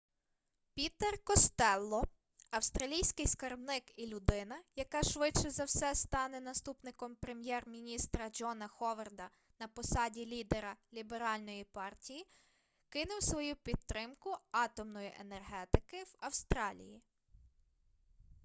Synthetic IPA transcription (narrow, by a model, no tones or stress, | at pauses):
pʲit̪erkɔst̪ɛlˠːɔ | ɐwst̪ɾɐlʲijsʲkɪjskɐrbnɪkilʲʊd̪ɪnɐjɐkɑʃʋɪt͡ʃɛzɐwsɛst̪ɑnɛnɐst̪upnɪkɔmpɾe̞mjɛrmʲinʲist̪ɾɐd͡ʒɔnɐxɔʋɐrd̪ɐ | nɐpɔsɑdʲilʲid̪eɾɐlʲibeɾɑlʲnɔjipɑrtʲiji | kɪnʊwsʋɔjupʲid̪̚t̪ːɾɪmkʊɑt̪ɔmnɔjiʔenerɦɛt̪ɪkɪwɐwst̪ɾɑlʲḭji